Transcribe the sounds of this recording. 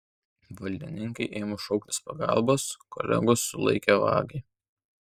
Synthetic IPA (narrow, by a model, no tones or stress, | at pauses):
ʋɐlʲd̪ʲɪnʲɪŋkɐɪʔeːmoʃɒʊkt̪ʲɪspɐɡɑ̰ˑlˠboːsko̰ːlʲɛ̰ɡosːʊlˠɐ̰ɪkʲɛʋɑ̰ːɡɐɪ